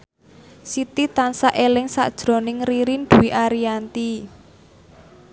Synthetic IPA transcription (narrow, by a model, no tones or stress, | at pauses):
sit̪it̪ansaʔelɪŋsa̰d̥ʒ̥ɾɔ̤nɪŋriɾind̪̥uwiʔaɾiant̪i